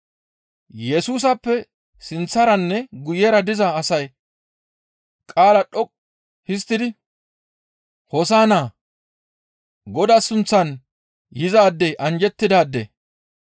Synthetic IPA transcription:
jɛsuːs̬ɐpːɛ | sɪnt͡sːɐɾɐnːɛɡʊjːɛɾɐd̪ɪzɐːsɐj | kʼaːlɐɗɔkʼ | hɪs̬t̪ːɪd̪ɪ | hɔsaːnaː | ɡɔd̪ɐsʊnt͡sːɐn | jɪzaːd̪ːɛjʔɐnd͡ʒɛt̪ːɪd̪aːd̪ːḛ

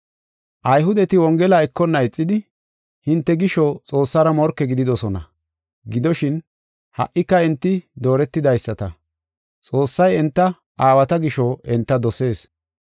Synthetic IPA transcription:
ʔɐjɦʊd̪ɛt̪ɪwɔŋɡɛlɐɛkːɔnːɐɛt͡sʼːɪd̪ɪ | hɪnt̪ːɛɡɪʃɔt͡sʼo̞ːsːɐɾɐmɔɾkːɛɡɪd̪ɪd̪ɔsɔnɐ̰ | ɡɪd̪ɔʃɪn | hɐ̰ʔːɪkːɐɛnt̪ːɪd̪o̞ːɾɛt̪ːɪd̪ɐjsːɐt̪ɐ | t͡sʼo̞ːsːɐjɛnt̪ːɐ | ʔaːwɐt̪ɐɡɪʃɔʔɛnt̪ːɐd̪ɔse̞ːs

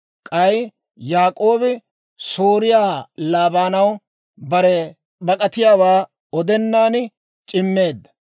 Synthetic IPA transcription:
kʼɐj | jaːkʼo̞ːbɪ | soːɾɪjaːlaːbaːnɐw | bɐɾɛ | bɐkʼɐt̪ɪjaːwaː | ɔd̪ɛnːaːn | t͡ʃʼɪmːe̞ːd̪ːɐ̥

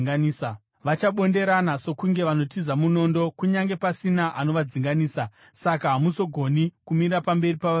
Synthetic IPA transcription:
aniːsa | ʋat͡ʃaɓo̞nde̞ɾanaso̞kuŋɡe̞ʋano̞tizamuno̞ːndo̞kuɲaŋɡe̞pasinaʔano̞ʋad͡ziŋɡaniːsa | sakaɦamuso̞ɡʱo̞nikumiɾapambe̞ripaa

